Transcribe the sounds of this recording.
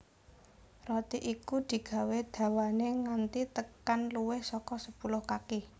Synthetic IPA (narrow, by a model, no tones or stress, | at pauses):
rɔt̪iʔikud̪̥i̤ɡ̥ä̤wed̪̥ä̤waneŋant̪it̪əkanluwɪhsɔkɔsəpulʊhkake